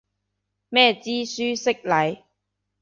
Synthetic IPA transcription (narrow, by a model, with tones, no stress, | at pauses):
mɛː˥˧t͡siː˥syː˥sɪ˥k̚lɐ˨˧j